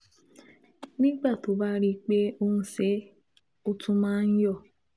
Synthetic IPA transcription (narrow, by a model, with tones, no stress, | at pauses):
nĩ˦ɡ͡ba˦˨to˨˦ba˦ɾi˦k͡pe˦o˦n̩˦se˨˦ | o˦tu˦mã˦n̩˦jɔ˦˨